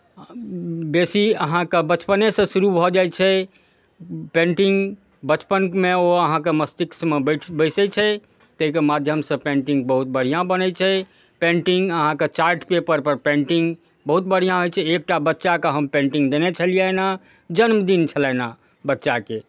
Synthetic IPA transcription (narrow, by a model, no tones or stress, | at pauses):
besiəɦãkebət͡ʃpənesə̃suɾubʱɔd͡ʒajt͡ʃʰɛ | pẽɳʈiŋɡ | bət͡ʃpənkmeoəɦãk̬eməst̪iksmebbəɪsɛt͡ʃʰɛ | t̪eɦikemad̪ʱjəmsə̃pẽɳʈiŋɡbəɦut̪̚bəɽ̤ijãbənɛt͡ʃʰɛ | pẽɳʈiŋɡəɦãket͡ʃaɾʈpepəɾpəɾpẽɳʈĩŋɡ | bəɦut̪̚bəɽ̤ijãɦojt͡ʃʰɛek̚ʈabətːʃakeɦəmpẽɳʈĩŋɡd̪enet͡ʃʰəlijɛna | d͡ʒənmd̪int͡ʃʰəlɛna | bətːʃake